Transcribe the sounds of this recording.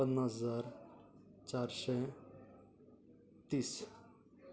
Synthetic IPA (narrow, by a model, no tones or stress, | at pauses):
ənːasəzaɾ | t͡ɕaɾsɛ | t̪iːs